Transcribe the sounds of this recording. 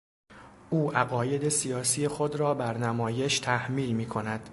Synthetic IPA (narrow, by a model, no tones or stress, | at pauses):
ʔuːʔæɣɒːje̞d̪e̞sijɒːsijexod̪rɒːbæɾnæmɒːje̞ʃt̪ʰæhmiːlmiːkʰo̞næd̪̥